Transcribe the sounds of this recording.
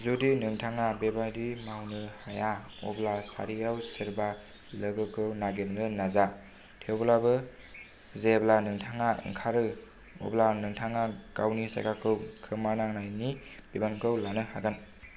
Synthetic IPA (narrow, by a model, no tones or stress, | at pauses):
zudinɯŋtʰaŋabebajdimawnɯhaja | ɔ̰blasa̰ɾijawsɯɾba | lɯɡɯkʰɯwnaɡenɾɯnaza | tʰewblabɯ | zeblanɯŋtʰaŋaɯ̰ŋkʰaɾɯ | ɔ̰blanɯŋtʰaŋakawnisa̰jkakʰɯwkʰɯmanaŋnajnib̥ibankʰɯwlanɯha̰ɡɯn